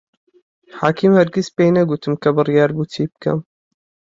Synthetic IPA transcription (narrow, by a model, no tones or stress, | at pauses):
ħaːkʰiːmhɛɾɡʲispeːjnɐɡut̪ʰɨmkʰɐbɨrijɑːɾbuːt̪ʰiːb̚kʰɐ̰m